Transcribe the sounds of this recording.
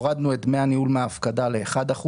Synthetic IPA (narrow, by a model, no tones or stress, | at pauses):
ʁad̪nuetme̞aniulmeaːfkadale̞ːχad̪aχu